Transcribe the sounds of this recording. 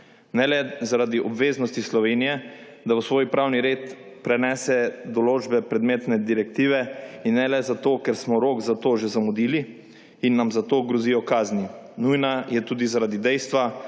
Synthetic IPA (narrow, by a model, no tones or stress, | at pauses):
nɛlɛzaɾad̪iʔɔbʋeːznɔst̪islɔʋeːnijɛ | d̪awsʋoːjpɾaːwniɾeːt̪pɾɛnɛːsɛd̪ɔloːd͡ʒbɛpɾɛd̪meːt̪nɛd̪iɾɛkt̪iːʋɛinːɛlɛzat̪oːkɛɾsmɔɾoːkzat̪oːʒɛzamud̪iːliː | nːamzat̪oːɡɾɔzijɔkaːzninujnajɛt̪uːd̪izaɾad̪id̪ɛjst̪ʋa